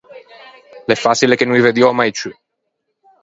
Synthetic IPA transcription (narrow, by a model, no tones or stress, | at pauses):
lefasilekenũived̪jɔmajt͡ʃy